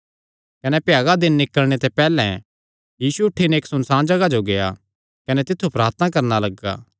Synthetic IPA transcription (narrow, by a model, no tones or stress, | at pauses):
kɐnɛpjaːɡad̪ɪnːɪkəlɽ̃et̪ɛpɛːlɛ̰̃ | jiːsuʊʈʰːineːksʊnsãːnd͡ʒɐɡad͡ʒoɡeja̰ | kɐnɛt̪ɪt̪ʰːupɾaːɾt̪nakɐɾnalɐɡːa̰ː